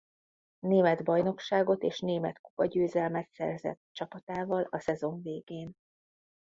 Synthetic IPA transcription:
neːmɛd̪bɒjno̞kʃaːɡo̞t̪eːʃneːmɛt̪kupɒɟøːzɛlmɛt̪sɛ̰rzɛ̰t̪t͡ʃɒpɒt̪aːvɒlɒsɛzo̞ɱveːɡeːn

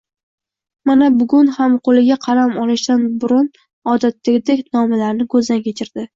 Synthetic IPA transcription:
manabʊɡʲʊnhamqʰolɪɡʲaqʰɑlamɒlɪʃt̪anbʊɾʊn | ɒd̪at̪ːaɡʲɪd̪ekʲnɒmalaɾnɪkʰɵzd̪ankʲʰet͡ʃʰɪɾd̪̥ɪ

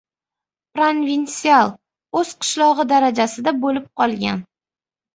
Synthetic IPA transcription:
pɾonvinsialˠ | ɵz̥qʰɨ̥ʃlˠɒʁɨd̪aɾad͡ʒasɪd̪abolɪp̚qʰɒlˠɡʲa̰n

